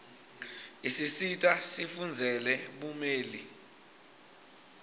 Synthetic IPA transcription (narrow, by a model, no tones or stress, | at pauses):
isisitʼasifund͡zʱɛlɛɓumeːli